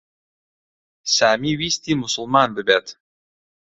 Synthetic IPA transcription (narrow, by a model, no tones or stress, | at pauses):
samiwisʲt̪imusʊlˠmɑnd̪ɘ̆bʲæt̪